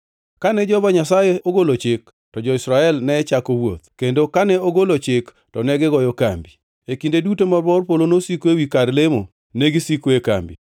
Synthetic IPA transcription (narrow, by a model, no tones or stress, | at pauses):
kanɛd͡ʒɔbaɲasajeʔoɡolot͡ʃɪk̚ | tɔd͡ʒɔɪsɾaɛlnɛt͡ʃakowo̰t̪̚kendokanɛoɡolot͡ʃɪk | tɔnɛɡɪɡɔjɔka̰mbi | ekindedutomabɔrpolonosikoewikaɾlemo | neɡisikoeka̰mbḭ